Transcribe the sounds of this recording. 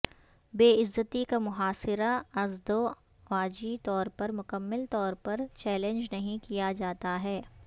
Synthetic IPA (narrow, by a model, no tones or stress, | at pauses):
beːɪzːət̪ikamʊɦaːsɪɾaɐzd̪o | ʋaːd͡ʒit̪ɔːɾpɐɾmʊkəmːɪlt̪ɔːɾpɐɾt͡ʃɛːlẽnd͡ʒnɐɦĩkijad͡ʒaːt̪aɦɛː